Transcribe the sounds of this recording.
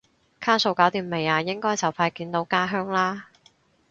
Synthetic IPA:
kʰaː˥so˧wkaː˨˥wt̪iː˨˧me˨˩jaː˨˧jɪ˥ŋkɔː˥jt͡sɐ˨˩wpʰaː˧jkiː˨˥nt̪o˨˥wkaː˥ɦœː˥ŋlaː˥

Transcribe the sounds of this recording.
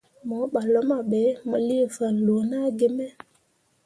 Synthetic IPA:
mɔ˨˦ɓa˨lo˦ma˨ɓɛ˨˦mə˨li˦fa˨lo˨na˦ɡe˦mɛ˦

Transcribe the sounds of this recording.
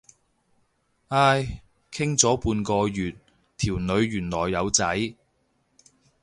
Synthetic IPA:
aː˥j | kʰɪ˥ŋt͡sɔː˨˥puː˧nkɔː˧jyː˨t̪̚ | t̪ʰiː˨˩wnɵ˨˧ɥːyː˨˩nlɔː˨˩jːɐ˨˧wt͡sɐ˨˥j

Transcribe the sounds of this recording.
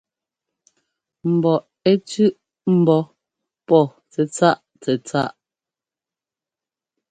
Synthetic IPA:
m̩˨bɔ˨ʔ | ɛ˦tʉ˦ʔ | m̩˨bɔ˨˦ | pɔ˦˨ | t͡sɛ˨t͡sa˦˨ʔ | t͡sɛ˨t͡sa˦˨ʔ

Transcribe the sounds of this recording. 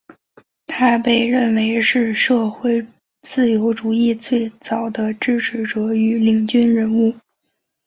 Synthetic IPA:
t̪ʰa˥pe˥˧ɪɻə˥˩nwe˧˥ɪʂɻ̩˥˧ʂɤ˥˧xwe˥˩ɪ | t͡sɹ̩˥˩jo˧˥ʊʈ͡ʂu˨˩i˥˧t͡swe˥˩ɪt͡sɑ˨˩ʊd̪ə˦ʈ͡ʂɻ̩˥˩ʈ͡ʂʰɻ̩˧˥ʈ͡ʂɤ˧˥y˧˥li˨˩ŋt͡ɕy˥nɻə˧˥nu˥˩

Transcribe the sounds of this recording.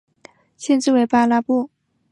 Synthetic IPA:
ɕjɛ˥˧nʈ͡ʂɻ̩˥˧we˥˩ɪpa˥la˥pu˥˩

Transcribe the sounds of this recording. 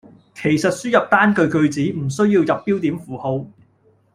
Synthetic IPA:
kʰe˨˩jsɐ˨t̚syː˥jɐ˨p̚t̪aː˥nkɵ˧ɥkɵ˧ɥt͡siː˨˥m̩˨˩sɵ˥ɥjiː˧wjɐ˨pːiː˥wt̪iː˨˥mfuː˨˩ho˧w

